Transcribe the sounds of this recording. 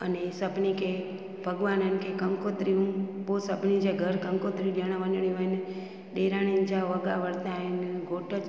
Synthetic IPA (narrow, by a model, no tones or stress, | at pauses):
ənesəpnike | bʱəɡʋanənkekəŋkot̪ɾiũbosəpnid͡ʒeɡʱəɾkəŋkot̪ɾiũd͡ʒəɽ̃aʋənəɳ̃ĩʋəjn | ɗeɾañind͡ʒaʋəɡa̰ʋəɽt̪ãinɡʱoʈə